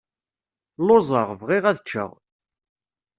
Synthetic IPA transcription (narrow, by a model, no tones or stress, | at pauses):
lozˤəʁvʁɪʁæðət͡ʃːə̰ʁ